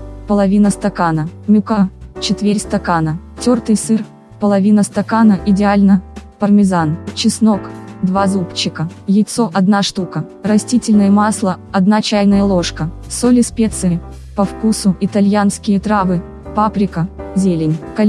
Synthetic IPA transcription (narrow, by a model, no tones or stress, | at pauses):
pəlˠɐvʲinəst̪ɐkanəmʲʊkat͡ɕɪt̪vʲeɾʲst̪ɐkanətʲort̪ɨjsɨr | pəlˠɐvʲinəst̪ɐkanəʔɪdʲɪalʲnəpərmʲɪzant͡ɕɪsno̞kd̪vazupt͡ɕːɪkəjɪt̪so̞ʔɐd̪naʂt̪ukərɐsʲtʲitʲɪlʲnəjəmaslˠəɐd̪nat͡ɕæjnəjəlˠo̞ʂkə | solʲɪspʲet̪sɨ | pɐfkusʊɪt̪ɐlʲjanskʲɪjət̪ɾavɨ | papɾʲɪkəzʲelʲɪnʲkɐlʲ